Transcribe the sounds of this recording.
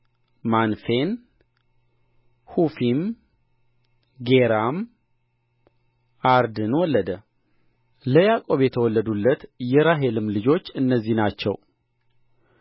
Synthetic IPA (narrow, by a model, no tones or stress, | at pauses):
manfe̞n | hufim | ɡeɾam | ʔaɾd̪ɨnwɔlːəd̪ə | ləjakʼo̞βjɛt̪ʰəwɔlːəd̪ulːət̪jɛɾaɦe̞lɨmlɨd͡ʒo̞t͡ʃːɨnːəzːihnat͡ʃːɛ̰w